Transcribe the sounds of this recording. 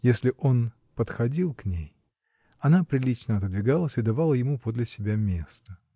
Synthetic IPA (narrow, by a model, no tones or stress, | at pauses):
jesʲlʲɪʔo̞n | pət̪xɐdʲilˠknʲḛj | ɐnapɾʲɪlʲit͡ɕnəɐt̪əd̪vʲɪɡalˠəsʲɪd̪ɐvalˠəjɪmupod̪lʲɪsʲɪbʲamʲest̪ə